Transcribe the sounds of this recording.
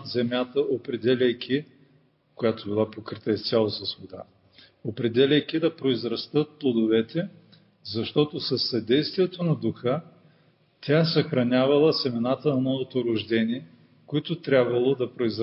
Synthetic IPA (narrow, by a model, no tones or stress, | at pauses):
zɛmʲjat̪əʔopɾɛd̪ɛlʲɛjkʰʲi | kojat̪obilˠapokɾit̪əist̪sʲalˠosɐsvod̪a̰ | opɾɛd̪ɛlʲɛjkʲid̪ɐpɾoizɾɐst̪ɤt̪̚plˠod̪ovɛt̪ɛ | zɐʃt̪ɔt̪osɐsːɐd̪ɛjst̪viɛt̪onɐd̪ʊxə | t̪ʲasɐxɾɐnʲavɐlˠəsɛmɛnat̪ənɐmnɔvot̪oɾʊʒd̪ɛnʲiɛ | koit̪ʊt̪ɾʲabvɐlˠod̪ɐpɾoizɾ